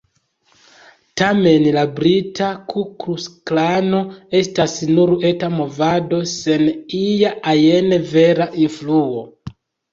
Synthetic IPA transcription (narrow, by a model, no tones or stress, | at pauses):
tame̞nlabɾitʰakʰukɾusklano̞e̞stasnuɾe̞tamo̞vado̞se̞nijaʔaje̞neve̞ɾaʔinfluo